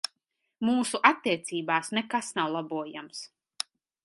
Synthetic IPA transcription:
muːsuʔat̪ːiɛt̪siːbaːsnɛkasnawlˠabuɔjams

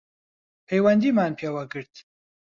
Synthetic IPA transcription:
pʰejwɐnd̪iːmaːnpʰeːwɐɡɨɾt̪

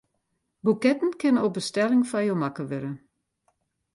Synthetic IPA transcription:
bukɛtn̩kʰɪnənobəstɛlɪŋfajomakəʋɪɾə

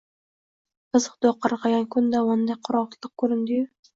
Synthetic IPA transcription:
ɨzɨqd̪oqʰːɑɾqʰɑɡʲankʰʊnd̪aɑnd̪ajqʰʊɾɒʁt̪lˠɨq̚kʰɵɾɪnd̪ɪjʊ

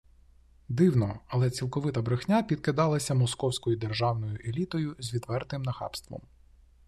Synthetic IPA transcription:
d̪ɪwnɔɐlˠɛt͡sʲilˠkɔʋɪt̪ɐbɾɪxnʲapʲid̪̚kɪd̪ɑlˠɐsʲɐmɔskɔwsʲkɔjʊd̪erʒɑwnɔjʊʔelʲit̪ɔjʊzʲʋʲid̪ʋɛrt̪ɪmnɐxɑ̰pst̪ʋɔ̰m

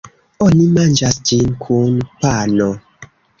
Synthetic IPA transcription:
ɔnimand͡ʒastinkʰunpanɔ

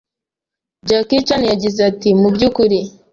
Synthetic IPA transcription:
d͡ʒakit͡ʃanijaɟizeatimubɟukuɾi

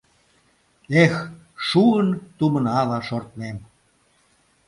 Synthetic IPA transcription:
ex | ʃuənt̪umənɑlɑʃort̪mem

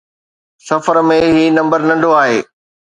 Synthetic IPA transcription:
sɐfəɾmẽɦiːnɐ̃mbəɾnɐ̃ɳɖʱoaːɦeː

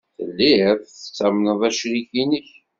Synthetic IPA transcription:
θə̰lːiɾθθə̥t͡sːæmnəðˤæʃɾiɡinəç

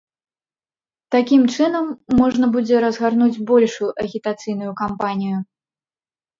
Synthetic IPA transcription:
t̪akʲimt͡ʂɨnɐmːɔʐnɐbud͡zʲɛɾɐzɣarnud͡zʲbɔlʲʂujuʔɐɣʲit̪at̪sɨjn̪ujukampanʲiju

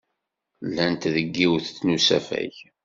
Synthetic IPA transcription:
lːænt̪ðəɡːiwθt͡sːnusæ̰fæ̰ç

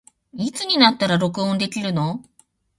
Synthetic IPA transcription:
it͡sɨɲ̟inat̪ːaɾaɾo̞kɯ̟õ̞nd̪e̞kʲiɾɯ̟no̞

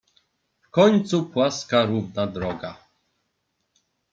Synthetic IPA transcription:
fkɔɲt̪supwaskaɾuvnad̪ɾɔɡa

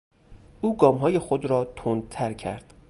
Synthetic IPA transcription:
ʔuːɡɒːmɦɒːje̞xod̪ɾɒːt̪ʰond̪̚t̪ʰæɾcʰæ̰ɾd̪̥

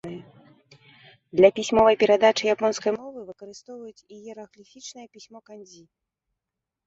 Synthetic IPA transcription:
ɨjɛ | d̪lʲɐpʲisʲmɔvɐjpʲɛɾad̪at͡ʂɨjapɔnskɐjmɔvɨvɨkɐɾɨst̪ɔwvɐjut͡sʲijɛɾɐɣlʲifʲit͡ʂnɨjɛpʲisʲmɔkanʲzʲi

